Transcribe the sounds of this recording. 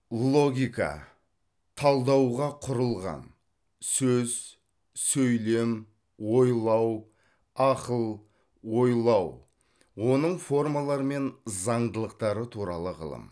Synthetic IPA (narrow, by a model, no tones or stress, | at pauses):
lˠo̞ɡʲijkɑ̰ | t̪ʰɑlˠd̪ɑwʁɑqʰʊɾəlˠʁɑ̰n | sɵz̥ | sɵjle̞m | wo̞jlˠɑw | ɑqəlˠ | wo̞jlˠɑw | wo̞nəɴfo̞rmalˠɑɾəme̞nzɑɴd̪əlˠəqt̪ɑɾət̪ʰuɾɑ̰lˠəʁə̰lˠə̰m